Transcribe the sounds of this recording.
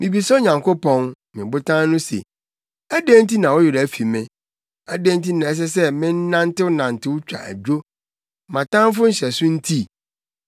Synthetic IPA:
mɪ̃˨bi˨sɔ˦ɲã˨ŋkʰo˦pɔ̃˦n | mɪ̃˨bʊ˦tʰã˦nʊ̃˦sḛ˨ | æ˦de˦n̩˦ti˦nã˨wɔ˦jʊ˨ɾæ˨fi˨mɪ̃˦ | æ˦dẽ˦n˦ti˦nã˨ɛ˦s̬ɛ˦sɛ˦mɪ̃˦n̩˦nã˦n̩˦tɪ˦wʊ˦nã˨n̩˨tʰɪ˦wʊ˦t͡ɕᶣa̰˨ʔæ̰˨d͡ʑᶣo˦ | mã˨tã˦m˦f̬ʊ˦n̩˦ɕɛ˨sʊ̃˦n̩˦tʰi˦˨

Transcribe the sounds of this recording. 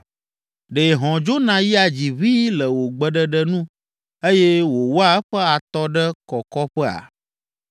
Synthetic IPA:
ɖe˨ɦɔ̃˨d͡ʒo˦nã˨ji˦a˨d͡ʑi˨βi˦lə˨wo˨ɡ͡bə˨ɖə˦ɖə˦nũ˦ | e˦jɛ˦wo˨wo˦a˦ɛ˦ɸə˦a˨t̪ɔ˦ɖə˦kɔ˨kɔ˦ɸɛ˦a̰˨

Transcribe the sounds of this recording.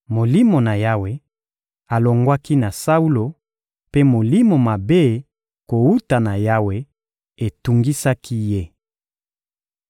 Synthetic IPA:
mo˨li˦mo˨na˨ja˦we˦ | a˨lo˨ŋɡwa˦ki˦na˨sa˦u˦lo˨ | pe˦mo˨li˦mo˨ma˨be˦ | ko˨u˦ta˨na˨ja˦we˦ | e˨tu˨ŋɡi˦sa˦kʰi˦je˦

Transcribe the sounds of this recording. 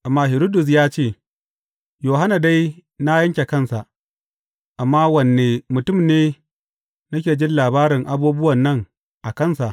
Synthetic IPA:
ʔa˨mːaː˦ɦɪ˨ɾoː˦dʊ˨s̬jaː˦t͡ʃeː˦˨ | joː˨ɦa˦na˨da˦jna˦jɐ˦ŋkʲe˨kɐ˦˨nsa˨ʔ | ʔa˨mːaː˦wɐ˨nːeː˨mʊ˨tʊ˦mneː˦ | nɐ˦kʲeː˨d͡ʒɪ˦nlaː˨baː˦ɾɪ˨ŋʔa˦buː˦bʊ˦wɐ˨nːɐ˦˨ŋ | ʔa˨kɐ˦˨nsa˨ʔ

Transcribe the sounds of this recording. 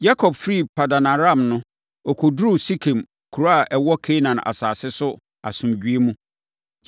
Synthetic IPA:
ja˦kʰɔ˨bfɾi˦˨pʰa˨da˨nã˨ɾã˦˨mnʊ̃˦ | ɔ˨kʰʊ˨dɾu˦˨si˦kʰẽ˨m | kʰu˨ɾa˨ʔɛ˨wɔ˦kʰe˦nã˨ʔa̰˨saː˨sɪ˦sʊ˦ | a˨sʊ̃˨md͡ʑᶣɥe˦mũ˦

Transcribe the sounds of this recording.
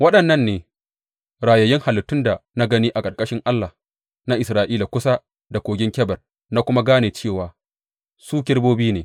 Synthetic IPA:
wɐ˦ɗɐ˨nːɐ˦nːeː˨ | ɾaː˨jɐ˨jɪ˦ŋha˨lɪ˨tːʊ˦nda˨na˦ɡɐ˦niː˦ʔa˨kʼɐ˨rkʼɐ˦ʃɪ˦ŋʔa˦lːa˨ | na˦ʔɪ˨sɾaː˨ʔiː˦la˨kʷʊ˦sa˦ | da˨kʷoː˨ɡʲɪ˦ŋkʲɛ˦bɐ˨r | na˦kʷʊ˦ma˦ɡaː˦neː˨t͡ʃeː˦˨waː˨ | suː˦kʲɪ˦rboː˦biː˦neː˨

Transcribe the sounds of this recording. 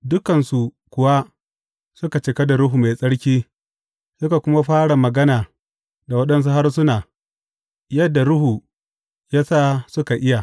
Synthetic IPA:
dʊ˦kɐ˨nsu˨ | kʷʊ˨wa˦ | sʊ˦ka˨t͡ʃɪ˨kɐ˦da˨ɽʊ˦ɦuː˨ma˨jsʼɐ˦ɽkʲiː˦ | sʊ˦ka˨kʷʊ˦ma˦ɸaː˦ɽa˨mɐ˨ɡɐ˦naː˨ | da˨wɐ˦ɗɐ˦ns̬u˦ɦa˦rsʊ˦naː˨ | jɐ˦dːa˨ɽʊ˦ɦuː˨ | jaː˦saː˦sʊ˦ka˨ʔɪ˦ja˨

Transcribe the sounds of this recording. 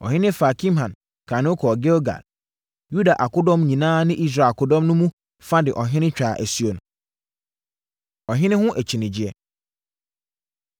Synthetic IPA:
ɔ̰˨ɦɪ̃˦nɪ̃˦fa˨kʰĩ˦mɦã˨n | kʰa˨nʊ̃˦kʰɔ˨ɡɛ˦lɡa̰˨l | ju˦da˨ʔa˨kʊ˦dɔ̃˦mɲĩ˨nãː˦nɪ̃˦ʔi˦s̬ɾa˨kʰʊ˦dɔ̃˦mnʊ̃˦mũ˦ | fa˦dɪ˨ʔɔ˨ɦɪ̃˦nɪ̃˦t͡ɕᶣaː˨ʔæ˨sɥo˨nʊ̃˨ | ɔ˨ɦɪ̃˦nɪ̃˦hʊ̃˦ʔæ˨t͡ɕʰi˨nɪ̃˨d͡ʑi˨ɛ˦

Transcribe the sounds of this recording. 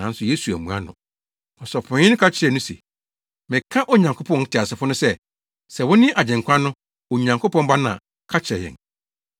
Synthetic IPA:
ã̰˨˦n˦sʊ˨je˦su˨æ̰˨mũ˨a̰˦nʊ̃˨ | ɔ̃˨sɔ˨pʰʊ̃˨˦ɪ̃˦nʊ̃˦kʰa˦t͡ɕʰɪ˦ɾɛ˨nʊ̃˦se˨ | mɪ̃˨kʰa˦ʔɔ˦ɲã˨ŋkʰo˦pʰɔ̃˦n˦tʰɪ˨a˨sɪ˨fʊ˦nʊ̃˦sɛ˦ | sɛ˨wʊ̃˦nɪ̃˦ʔa˨d͡ʑɛ̃˨ŋkʷʰã˦nʊ̃˦ | ɔ˨ɲã˨ŋko˦pɔ̃˦mba˦nã̰˨ | kʰa˦t͡ɕʰɾɛ˨jɛ̰̃˨n

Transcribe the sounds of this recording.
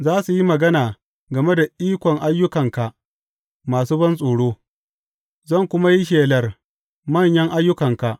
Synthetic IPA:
zaː˦su˨ji˦mɐ˨ɡɐ˦naː˨ | ɡɐ˨me˦da˨ʔiː˦kʷɔ˨ŋʔa˦jːʊ˦kɐ˨ŋka˨ | maː˨suː˦bɐ˦nsʼoː˨ɽoː˦ | zɐ˦˨ŋkʷʊ˦ma˦ji˦ʃ̬eː˨lɐ˨r | mɐ˦˨ɲjɐ˦ŋʔa˦jːʊ˦kɐ˨ŋka˨ʔ

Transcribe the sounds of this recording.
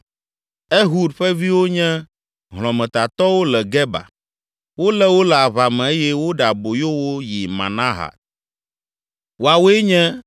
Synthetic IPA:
e˦ɦu˦dɸɛ˦vi˦wo˦ɲɛ̃˦ | ɦl̃ɔ̃˨mɛ̃˨t̪a˨t̪ɔ˦wo˦lɛ˨ɡɛ˦ba̰˨ | wo˦lɛ˦wo˦lɛ˨a˨βa˨mɛ̃˨e˦jɛ˦wo˦ɖa˨bo˨jo˦wo˦ji˨mã̰˨nã˦ɦa̰˨t̪̚ | wo˨a˨wo˦e˦ɲɛ̃˦

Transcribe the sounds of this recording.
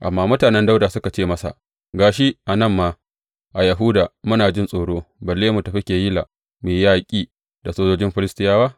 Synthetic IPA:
ʔa̰˨mːaː˦mʊ˦taː˨nɛ˦nda˦wda˨sʊ˦ka˨t͡ʃeː˦mɐ˦sa̰˨ | ɡaː˨ʃi˦ʔa˨nɐ˦˨mːaː˦ | ʔa˨jɐ˨ɦʊ˦daː˨mʊ˦naː˨d͡ʒɪ˦nsʼoː˨ɽoː˦bɐ˨lːeː˦mu˨ta˨ɸɪ˦kʲeː˨ji˦la̰˨ | meː˨˦jaː˦kʲʼiː˦ | da˨soː˦d͡ʒoː˦d͡ʒɪ˦mɸɪ˦lɪ˦stɪ˦jaː˦waː˦

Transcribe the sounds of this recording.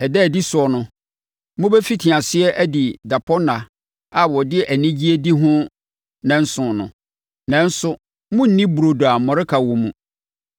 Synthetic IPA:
ɛ˨dɛː˦˨di˦sʊ˨ɔ˨nʊ̃˦ | mʊ̃˦bɛ˦fi˦tʰi˨ã˨sɪ˦ɛ˦ʔæ˦di˨da˨pʰɔ˦nã˨ | a˨wɔ˨dɪ˦ʔæ˨nĩ˦d͡ʑi˦e˦di˦ɦʊ̃˦ | nã˨n̩˦sʊ̃˨nʊ̰̃˨ | nã˨n̩˦sʊ˦ | mʊ̃˦n̩˦nĩ˦bu˨ɾo˨du˨a˨m̩˨mɔ̃˨ɾɪ˦kʰa˨wɔ̃˨mũ˨

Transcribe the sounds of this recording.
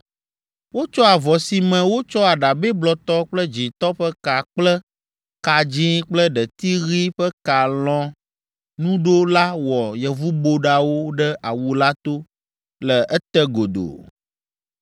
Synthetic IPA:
wo˦t͡ʃɔ˦a˨vɔ˨si˨mɛ̃˨wo˦t͡ʃɔ˦a˨ɖa˨bɛ˦blɔ˨t̪ɔ˦k͡plə˦d͡ʒĩ˨t̪ɔ˦ɸɛ˦ka˨k͡plɛ˦ | ka˨d͡ʒĩ˦k͡plə˦ɖɛ˨t̪i˦ɣi˦ɸɛ˦ka˨lɔ̃˨ | nũ˦ɖo˦la˦wɔ˨jɛ˨vu˦bo˦ɖa˦wo˦ɖɛ˦ʔa˨wu˨la˦t̪o˦ | lɛ˨ɛ˦t̪ɛ˦ɡo˨d̪o̰˨

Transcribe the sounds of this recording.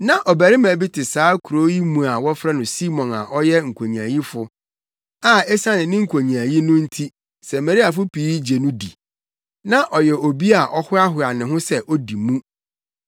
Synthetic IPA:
nã˦ʔɔ˨bæ˨ɾɪ˦mæ̃˨bi˦tʰɪ˨saː˨˦kʰu˨ɾo˦ji˦mũ˨a˨wɔ˦fɾɛ˦nʊ̃˨si˦mɔ̃˨na̰˨ʔɔ˦jɛ˦ŋ̩˨kʷʰo˨ɲ̃˨æ˨ji˦fʊ˦ | a˦ɛ˦sã˦nɪ̃˨nɪ̃˦ŋ̩˨kʷʰo˨ɲĩ˨æ˨ji˦nʊ̃˦n̩˦tʰi˦ | sɛ˨mæ˨ɾi˦a˨f̬ʊ˦pʰiː˨˦d͡ʑe˨nũ˦dḭ˨ | nã˦ʔɔ˨jɛ˨o˨bi˦a˨ʔɔ˦hʊ˦a˦ɦʊ˨a˨nɪ̃˨ɦʊ̃˦sɛ˦ʔɔ˦di˨mũ˦

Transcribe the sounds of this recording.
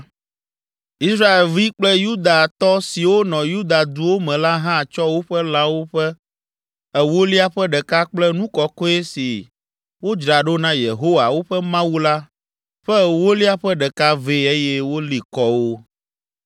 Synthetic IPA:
i˦sɾa˦e˨lvi˦k͡plɛ˦ju˦d̪a˨t̪ɔ˦si˨wo˦nɔ̃˨ju˦d̪a˨d̪u˨wo˦mɛ̃˨la˦ɦã˦˨t͡ʃɔ˦wo˦ɸɛ˦lã˦wo˦ɸɛ˦ | ɛ˦wo˦li˦a˦ɸɛ˦ɖɛ˨ka˦k͡plɛ˦nũ˦kɔ˨kɔ˦e˦si˨ | wo˦d͡ʒɾa˨ɖo˦nã˦je˨ɦo˦wa˨wo˦ɸɛ˦mã˦wu˦la˦ | ɸɛ˦˨wo˦li˦a˦ɸɛ˦ɖɛ˨ka˦ve˦e˦jɛ˦wo˦li˨kɔ˦wo˦

